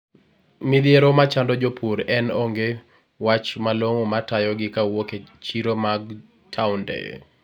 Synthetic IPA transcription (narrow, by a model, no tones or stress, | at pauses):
mid̪jeɾomat͡ʃandɔd͡ʒopʰuɾɛnoŋɡe | wat͡ʃmaloŋomatajɔɡɪkawoket͡ʃiɾomaɡ | tʰaʊndɛ̰